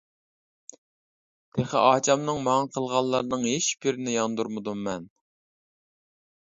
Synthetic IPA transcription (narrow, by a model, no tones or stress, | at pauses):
d̪̥eχæ̰ʔɑːt͡ʃʰɑmnɨŋmɑŋɑqʰəlˠʁɑlˠlːˠɑɾnɨŋheʃb̥iɾnɪjɑnd̪uɾmɨd̪umːɛn